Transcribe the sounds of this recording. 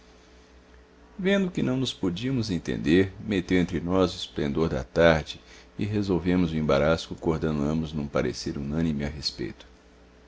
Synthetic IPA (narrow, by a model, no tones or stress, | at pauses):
vẽnd̪ʊkɪnɐ̃w̃nʊspod͡ʒiɐmʊzẽnt̪ḛ̃nd̪eɾmet̪ewẽnt̪ɾɪnɔzʊɪsplḛ̃nd̪oɾd̪ɐ̰t̪aɾd͡ʒɪɪɦezowvẽmʊzʊẽmbaɾasʊkoɾd̪enɐ̃mʊznũpaɾḛseɾunɐ̃nimɪaɦespḛjt̪ʊ̥